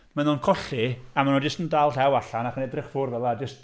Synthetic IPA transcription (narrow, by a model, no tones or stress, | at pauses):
manuːnkʰɔɬiamanɔd͡ʒəstəndalˠtɛwaɬanaχənɛdrɪχfʊrvɛlˠad͡ʒəst